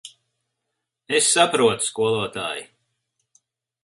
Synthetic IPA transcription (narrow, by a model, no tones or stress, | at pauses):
esːapɾuɔt̪u̥skuɔlˠuɔt̪a̰ːji